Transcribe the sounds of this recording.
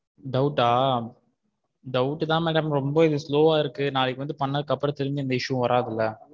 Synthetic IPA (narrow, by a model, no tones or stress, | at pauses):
ɖɐʊʈːaː | ɖɐʊʈːɯt̪ãːmɛːɽɐmɾɔmbɐɪðɯsloːaːɪɾɯkːɯnaːlɛkːʋɐnd̪ɯpɐɳːɐðɯkːɐpːɾɐ̃t̪ɛɾɯɲd͡ʒɯɐnd̪ɐɪʂɯʋɐ̃ʋɐɾʔaːðɪlːɐ